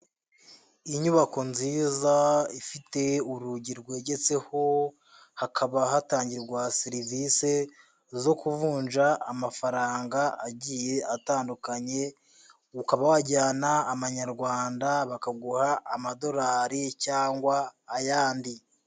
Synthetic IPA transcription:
iɲuβako̞nziːzaifite̞uɾuɟiɾɡwe̞ɟet͡se̞ho̞ | hakʰaβaɦataːɲɟiɾɡwasiɾivise̞ | zo̞kuvuːnʒaːmafaɾaːŋɡaaɟiːje̞ataːndukaɲe̞ | ukaβawaɟaːnaːβaɲaɾɡwaːndaβakaɡuhaʔːmado̞ɾaːɾicaːŋɡwaːjaːndi

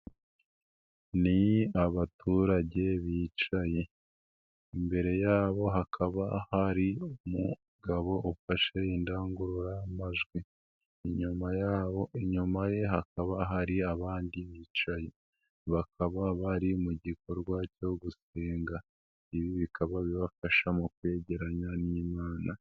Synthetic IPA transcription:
niaβatuɾaɟe̞βiːt͡ʃaje̞ | imbe̞ɾe̞jaːβo̞ɦakʰaβahaɾiomu | ɡaβo̞ʔufaʃe̞indaːŋɡuɾuɾamaʒɡwi | iɲumajaːβo̞ʔiɲumaje̞ɦakaβaɦaɾiaβaːndiβiːt͡ʃaje̞ | βakʰaβaβaɾimuɟiko̞ɾɡwaco̞ɡuse̞ːŋɡa | iβiβikʰaβaβiβafaʃamukwe̞ːɟe̞ɾaɲaniːmaːna

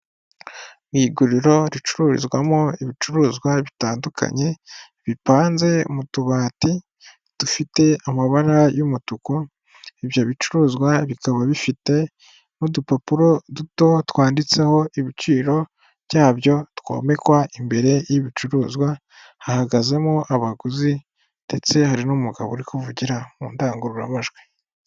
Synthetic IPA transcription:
ɡiːɡuɾiɾo̞ɾit͡ʃuɾuɾḭzɡwamoiβit͡ʃuɾuːzɡwaβitaːndukʰa̰ɲe̞ | βipaːnze̞ṵmutuβaːti | d̥ufite̞amaβaɾajumutuko | iβjo̞βit͡ʃuɾuːzɡwaβikaβaβifite̞ | mudupapuɾo̞duto̞twaːndit͡se̞ho̞iβit͡ʃiːɾo̞ | βjaːβjo̞two̞̰me̞kwaʔimbe̞ɾe̞jiβit͡ʃuɾuːzɡwa | hahaɡaze̞moʔaβaɡuzi | nd̥e̞t͡se̞haɾinumuɡa̰βoɾikuvuɟiɾamṵːndaːŋɡuɾuɾamaʒɡwe

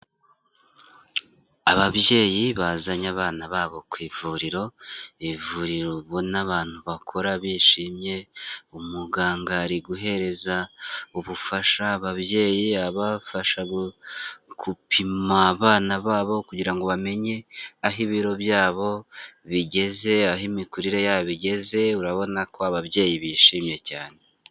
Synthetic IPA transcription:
aβaβje̞ːjiβazaɲaβaːnaβaːβo̞kwiːvuɾiɾo̞βivuɾiɾo̞βo̞naβaːn̥huβakʰo̞ɾaβiːʃiːmje̞umuɡaːŋɡaɾiɡuɦe̞ɾe̞zauβufaʃaβaβje̞ːjiaβafaʃaɡo | kupʰimaːβaːnaβaːβo̞kuɟiɾaŋɡo̞βame̞ɲe̞aɦiβiɾo̞βjaːβo̞βiɟe̞ze̞aɦimikuɾiɾejaβiɟe̞ze̞uɾaβo̞nakʰo̞aβaβje̞ːjiβiʃiːmje̞caːne̞

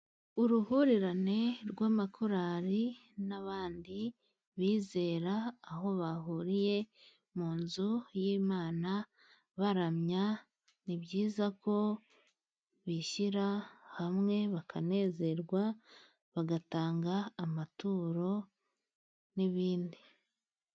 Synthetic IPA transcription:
uɾuhuɾiɾane̞ɾɡwaːmakʰuɾaɾinaβaːndi | βiːze̞ːɾaːɦo̞βaɦuːɾije̞ | muːnzujiːmaːna | βaɾamɲa | nibɟiːzako̞ | βiʃiɾahamŋe̞βakʰane̞ːze̞ɾɡwa | βaɡataːŋɡaːmatuːɾo̞ | niβiːndi

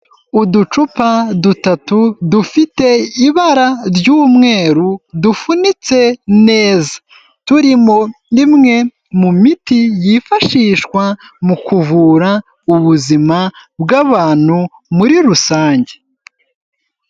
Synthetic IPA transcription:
udut͡ʃupadutatudufite̞iβaɾaɾɟuːmŋe̞ːɾudufunit͡se̞ne̞ːzḁ | tuɾimo̞nimŋe̞ | mumitijifaʃiːʃkwamukuvuːɾa | uβuzimabɡaβaːn̥hu | muɾiɾusaːɲɟe̞

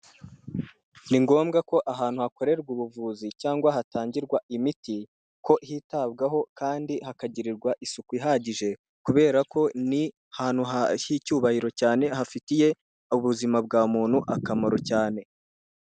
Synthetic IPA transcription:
niŋɡo̞ːmɡako̞ʔaɦaːnhuhako̞ɾe̞ɾɡwuβuvuːzicaːŋɡwahatʰaːɲɟiɾɡwaimiti | ko̞ʔhitab̚ɡaɦo̞kaːndihakaɟiɾiɾɡwaʔisukwiɦaɟiʒe̞ | kuβe̞ːɾakʰo̞ni | haːn̥huɦahicuːβahiɾo̞caːne̞ɦafitije̞ | uβuzimabɡaːmuːn̥huʔakamoɾocaːne̞

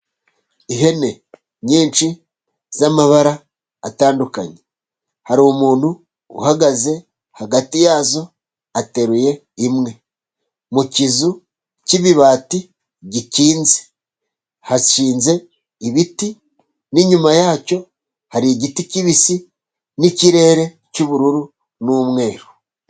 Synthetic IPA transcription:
iɦe̞ne̞ | ɲiːnt͡ʃi | z̥amaβaɾaː | taːnduka̰ɲe | haɾiumuːn̥hṵː | haɡaze̞ | haɡatijaːzo̞ | ate̞ɾuje̞ | imŋe̞ | mucizu | ciβiβaːti | ɟiciːnze̥ | haʃiːnze̞ | iβiti | niɲumajaːco̞ | haɾiɟiticiβisi | niciɾe̞ːɾe̞ | cuβuɾuɾu | numŋe̞ːɾo̥

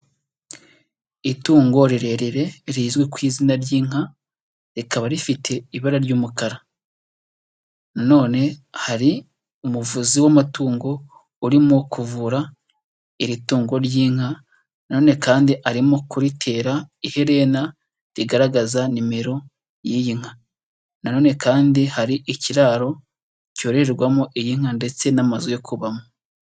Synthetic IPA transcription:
ituːŋɡo̞ɾiɾe̞ɾeɾe̞ɾiːzɡwe̞kwiːzinaɾjiːŋ̥a | ɾikaβaɾifitʰe̞iβaɾaɾɟuːmukaɾa | nano̞ːne̞haɾi | umuvuziwamatuːŋɡo̞ | uɾimokuvuɾa | iɾituːŋɡo̞ɾjiːŋ̥a | nano̞ːne̞kaːndiʔaɾimokuɾitʰe̞ːɾaihe̞ɾe̞na | ɾiɡaɾaɡazanime̞ɾo̞ | jijiŋ̥ha | nano̞ːne̞kʰaːndihaɾiʔiciɾaːɾo̞ | co̞ɾe̞ɾeɾɡwamoʔijiŋ̥hande̞t͡se̞namazojokʰuβamo

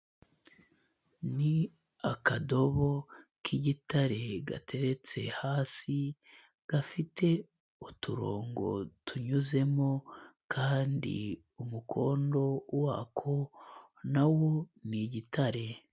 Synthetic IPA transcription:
ni | akado̞βo̞kiɟitaɾe̞ɡa̰te̞ɾe̞t͡se̞̰haːsi | ɡ̥afite̞ | utuɾo̞̰ːŋɡo̞̰tuɲuze̞mo̞kʰaːndḭ | umukʰo̞ːndo̞waːkʰo | nawo̞niɟitaɾe̞

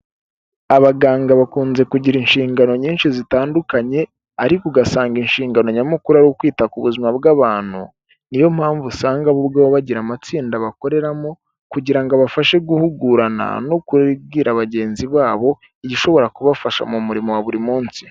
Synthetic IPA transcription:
aβaɡaːŋɡaβakuːnze̞kuɟiɾinʃiːŋɡano̞ɲiːnʃizitaːndukaɲe̞ | aɾikuɡasaːŋɡinʃiːŋɡanoɲamukuɾaɾokwiːtakuβuzimabɡaβaːn̥hṵ | nijo̞m̥haːɱvusaːŋɡaβubɡawoβaɟiɾamat͡siːndaβako̞ɾe̞ɾamo̞ | kuɟiɾaŋɡaβafaʃe̞ɡuhuɡuɾana̰no̞kuɾɡiːɾaβaɟe̞ːnziβaːβo̞ | iɟiʃo̞βo̞ɾakuβafaʃa̰mumuɾimowaβuɾimuːnsi̥

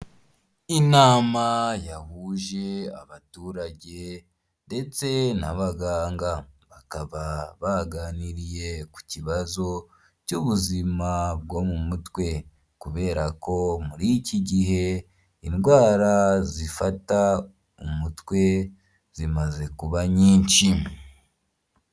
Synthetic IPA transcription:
inaːmajahuʒe̞a̰βatuːɾaɟe̞ | nde̞t͡se̞na̰βaɡaːŋɡaβakaβaβaɡaniɾije̞ku̥ciβazo̞ | cuβuzimabɡo̞ːmumutwe̞ | kuβe̞ːɾako̞muɾiciɟiɦe̞ | inɡwaːɾazifata | umutwe̞ | z̥imaze̞kuβaɲiːnt͡ʃi

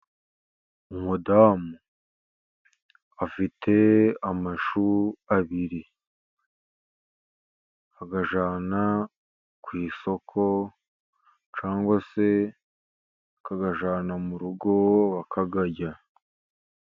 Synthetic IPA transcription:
umudaːmu | afitʰe̞amaʃuaβiɾi | aɡaʒaːna | kwiːso̞kʰo̞ | t͡ʃaːŋɡwase̞ | kaɡaʒaːnamuɾuɡo̞βakʰaɡaɟa

